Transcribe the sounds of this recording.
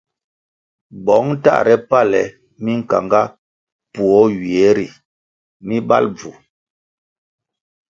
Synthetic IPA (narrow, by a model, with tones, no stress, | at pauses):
bɔ˨˦ŋ˦ta̰˦˨ɾɛ˦pa˦˨lɛ˨ | mi˦ŋ̩˨ka̰˨ŋɡa˦ | pu˨ɔ˨˦ɥi˨ɛ˨˦ɾḭ˨ | mi˦ba̰˦lb͡vu˨